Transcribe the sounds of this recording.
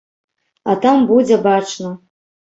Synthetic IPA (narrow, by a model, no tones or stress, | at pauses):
atʰambud͡zʲabaʈ͡ʂʰnɨ